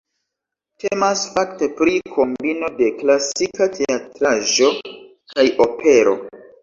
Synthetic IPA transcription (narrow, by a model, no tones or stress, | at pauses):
tʰemasfakte̞pɾikʰo̞mbino̞de̞klasikatʰe̞atɾaʒo̞ | kajʔo̞pʰe̞ɾo̞̰